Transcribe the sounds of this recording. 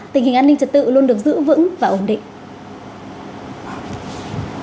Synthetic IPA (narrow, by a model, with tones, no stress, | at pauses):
t̪i̟˨˩ɦï˨˩ŋʔaː˧nï˧ŋt͡ɕə˨˩t̚t̪ɨ̰˧˨lu˧ənɗɨ˨˩ək̚zɨ̰˧˥vɨ̰˧˥ŋvaː˨˩ʔo˧˩nɗḭ̈˧˨ŋ